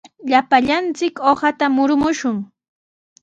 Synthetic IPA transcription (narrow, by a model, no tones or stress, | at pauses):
ʎapaʎant͡sɪkohat̪amʊɾʊmʊʃʊŋ